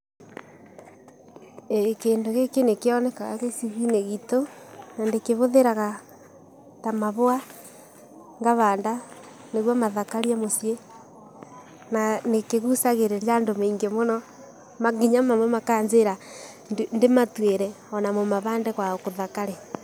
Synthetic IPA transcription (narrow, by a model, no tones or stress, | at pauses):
ekeːndoɣekenekeɔnɛkaɣa̰ɣesiɣineɣitonandekeβoðeɾaɣa | tamaβoa | ŋɡaβaːnda | neɣwamaðakaɾiamosje | nanekeɣusaɣeɾeɾjandomeiŋɡemonɔ | maɣiɲamamwɛmakaːɲzeɾa | ndematweɾɛ | ɔnamomaβaːndɛɣwaokoðakaɾe